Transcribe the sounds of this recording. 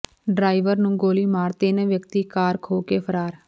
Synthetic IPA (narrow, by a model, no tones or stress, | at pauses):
ɖɾaːiʋəɾnũːɡoːliːmaːɾt̪eːnɛ̃ːʋjək̚t̪iːkaːɾkʰoːkeːpʰəɾaːɾ